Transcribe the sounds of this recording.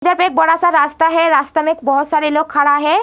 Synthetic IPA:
d̪əɾpek̚bɔɽasaɾɾast̪aɦɛɾast̪amekbɔɦʊt̪saɾelokʰːaɽaɦɛ

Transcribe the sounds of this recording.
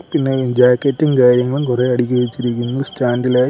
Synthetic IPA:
pinːed͡ʑaːkːɐtːinkaːɾjɐŋːɐɭukureːɐɽikʲːuʋet͡ɕːiɾikʲːunːɐðsʈaːndilaː

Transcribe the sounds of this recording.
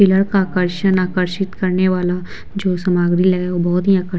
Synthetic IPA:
ɪləɽkaːkəɾʃənaːkəɾʃɪt̪kɐɾneʋaːla | d͡ʒoːsɐmaːɡɽilɐɡɛobɔɦʊt̪ɦiaːkə

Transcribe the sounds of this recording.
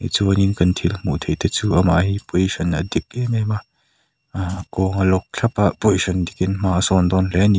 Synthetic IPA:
it͡suɐninkɐnt̪ʰilmṵʔt̪ʰejt̪ɛt͡suːʔɐma̰ʔhiːpojʃɐnɐd̪ik̚lɛmɛmaʔ | akɔːŋɐlɔk̚ɬʰɐpaʔpojʃɐnd̪ikɪnmaːʔsɔnd̪ɔnlɛni

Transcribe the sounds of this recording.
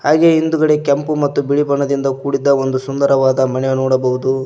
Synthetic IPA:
haːɡe̞ind̪uɡɐɽekɐmpumɐt̪ːubiɭibɐɳɐd̪ind̪ɐkuːɽid̪ːɐo̞nd̪usund̪ɐɾɐʋaːd̪ɐmɐnɛnɔːɽɐbɐɦud̪u

